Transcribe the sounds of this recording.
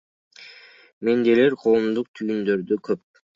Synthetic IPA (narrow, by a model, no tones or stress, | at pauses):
me̞nd̪eleɾqʰo̞ːmd̪uq̚t̪ʰyjynd̪ø̞ɾd̪økʰøp̚